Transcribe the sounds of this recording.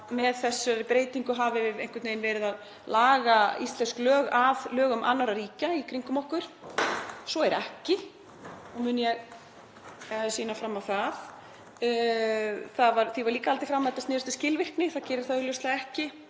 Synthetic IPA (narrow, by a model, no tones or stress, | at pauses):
mɛðθɛsːʏɾɪpɾeːjt̪iŋkʏɦavɪvɪðejnŋkʏtneːjnvɛːɾɪðað | laːɣaist̪lɛnsklœːɣavlœːɣʏmʔa̰nːaɾaɾiːcaikʰɾiŋkʏmɔhkʏɾ̥ | sɔɛɾɛhcɪ | ɔɣmʏːnjɛɣ | ðɪsiːnafɾamːawθaθ | θaðvaɾθivaɾliːkaalt̪ɪfɾamaðɛt̪ast̪ɪːɾʏst̪ɪ̥scɪlvɪr̥knɪθaðcɛːɾɪɾ̥θaðʏljowst̪laɛhcɪ